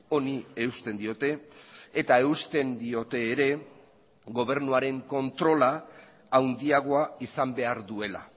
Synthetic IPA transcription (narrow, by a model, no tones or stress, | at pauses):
o̞nie̞ust̪e̞nd̪io̞t̪e̞ːt̪ae̞ust̪e̞nd̪io̞t̪e̞ːɾe̞ | ɣo̞β̞e̞ɾnuaɾe̞ŋko̞nt̪ɾo̞laː | wnd̪iaɣ̞o̞aisambe̞aɾðue̞la̰